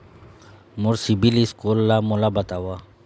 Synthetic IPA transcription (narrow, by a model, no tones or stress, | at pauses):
mʊɾsibiliskolːamolabət̪awa